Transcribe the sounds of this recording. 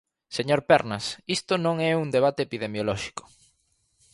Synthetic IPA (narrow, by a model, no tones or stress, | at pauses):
seɲoɾpɛɾnɐsist̪ʊnõŋɛuŋd̪eβ̞at̪eːpiðemjolɔʃi̥kʊ̥